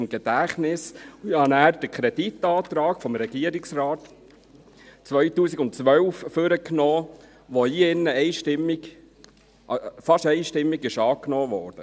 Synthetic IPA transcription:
mɡ̥ɛd̥æχnɪsɪhɑnæːɾd̥əkʰɾɛd̥itːɑːt̪ɾɑːkfɔmɾɛɡiəɾɪksrɑːt | t͡sʋœɥtuːsiɡʊntt͡sʋœwfføɾəknoː | ʋoiɪnːəɛɪʃtɪmːiɡ | fɑʃɛɪʃtɪmːiɡɪʃɑːknoːʋɔːɾd̥ə

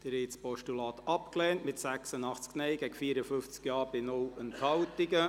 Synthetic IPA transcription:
d̥əɾɪtspɔʃtulɑːtɑpklɛːntmɪtsæksənɑχt͡sknɛɪɡɛɡəfiːəɾəfʏft͡skjɑːɾbɪnʊlənthɑltɪɡə

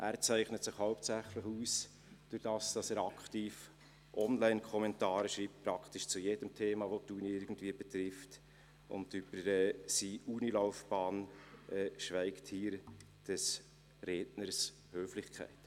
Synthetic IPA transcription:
ʔæɾt͡sæɪχnətsɪχhɑʊp̚tt͡sæχləχuːs | d̥ʊɾd̥ɑːsd̥ɑsæɾɑkχtiːf | ʔɔnlæɪnkʰɔmɛntɑːɾəʃɾiːp̚tpɾɑkχtɪʃt͡sujed̥əmtʰeːmɑʋotuːniɪɾɡn̩tviːəbɛtɾɪft | ʊ̰ndyb̥əɾɛːsiʔuːnilɔʊfb̥ɑːnʔɛʃvæɪkthiːɾ | d̥ɛs | reːdnəɾs | høːflɪχkʰæ̰ɪt

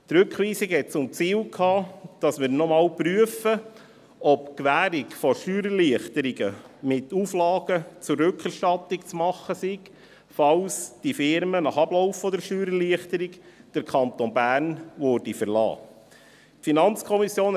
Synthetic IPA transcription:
t̪ɾʉkχʋiːsikhɛt̚t͡sʊmt͡siːlkʰhɑːd̥ɑsmɪːɾnɔmɑːlpɾyəfə | ɔpkʋæːɾikfɔʃtyːɾəliəχt̪əɾiɡəmɪtuflɑːɡət͡sʊrːʉkʰɛɾʃtɑt̪ːɪkt͡smɑχːəsiɡ | fɑlsd̥ifɪɾmənɑχɑblɔʊfːɔd̪əɾʃtyːɾəliəχt̪əɾikd̥əɾkʰχɑnt̪onbæːɾnʋɔɾdifəɾlɑ̰ː | tfinɑnt͡skʰɔmisjoːn

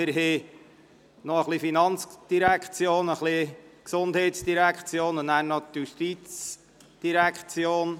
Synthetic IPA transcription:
ɪɾɦe | nɔəχlifinɑnt͡sd̥iɾækχt͡sjoːnəχliksond̥̪ɦɛɪtsd̥iɾækχt͡sjoːnʊnnæːɾnɔt̪juʃtit͡s | d̥iɾækχt͡sjoːn

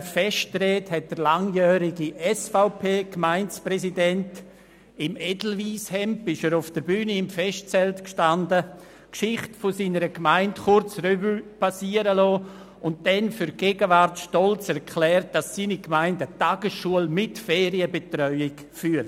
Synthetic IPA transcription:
fɛʃtɾɛːthɛt̚d̥əɾlaŋjœːɾiɡiʔɛsfaʊpʰeːkmaɪnt͡spɾɛsidɛnt | ɪmɛdl̩viːshɛmpɪʃəɾʊfd̥əɾbyːniɪmfɛst̚t͡sɛltkʃtandə | kʃɪχtfʊsiːnəɾəkmaɪntχʊɾt͡srybypasiːəɾəlɔː | ʊnt̚d̥ɛnfʏɾɡ̥eːɡəvaɾtʃtɔlt͡sɛɾkʰlɛːrt̚d̥asːiːnikmaɪndətaɡəsʃuəlmɪtfeːɾiəbetɾœʏɪk | fyəl

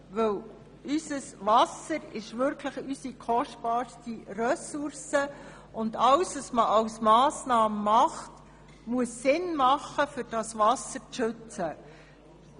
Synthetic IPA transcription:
ʋɵw | ysəsʋɑsəɾɪʃʋʏɾkʰləχysikʰɔʃtb̥ɑːɾstirœsʊrsə | ʊndɑlsʋɑsməʔɑwsmɑːsnɑːməmɑχt | muəsːɪnmɑχːəfʏɾd̥ɑsvɑsəɾt͡sʃʏt͡sə

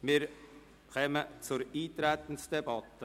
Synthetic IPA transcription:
mɪːɾ | kɛmət͡sʊɾiːt̪ɾæt̪ən̩sd̥ɛbɑt̪ə

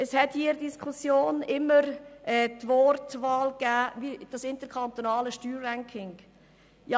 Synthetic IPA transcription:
əshɛthiːɾdiskʰχusjoːnɪmːəɾʔɛːtvɔːɾtʋɑːlkæːvid̥ɑsɪntəɾkʰɑnt̪onɑːləʃtyːɾːæŋkʰɪŋ | jɑ

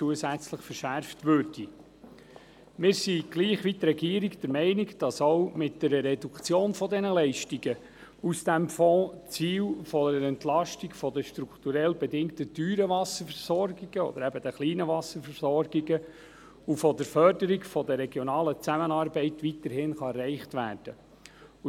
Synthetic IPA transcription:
t͡suəsæt͡sləχfəɾʃæɾftʋøːɾd̥i | mɪːɾsiɡ̥liːχʋit̪ɾɛɡiːəɾiɡd̥əɾmɛɪniɡd̥ɑsowmɪt̚d̥ɛɾəɾɛd̥ukt͡sjoːnfɔdɛnəlɛɪʃtiɡə | usd̥æmfɔ̃ːt͡siːlfɔdəəɾɛnt̪lɑʃtiɡfɔd̪əʃt̪ɾukt̪uɾɛlbɛdɪŋkt̪ədyːɾəvɑsəfɛɾsɔɾɡiɡ̥əɔ̰d̥̪əɾæbəd̪əχliːnəvɑsəɾfɛɾsɔɾɡiɡə | ufɔd̪əɾfœrdəɾiɡfɔd̪əɾɛɡjɔnɑːlət͡sæmənɑɾbɛɪtʋit̪əɾhɪnχɑɛrːɛɪχtʋæ̰ːrd̥ə

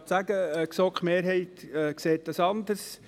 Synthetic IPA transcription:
tsæɡəksɔkχmeːɾɦɛɪt̪ɛkseːt̪̚dɑsɑnd̪əɾs

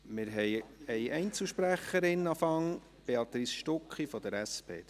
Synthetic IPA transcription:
mɪɾɦɛjɛjʔɛɪnt͡sl̩ʃpɾæχəɾɪnɑfɑŋ | b̥eɑt̪ɾisʃtʊkχifɔd̪əɾæspʰḛː

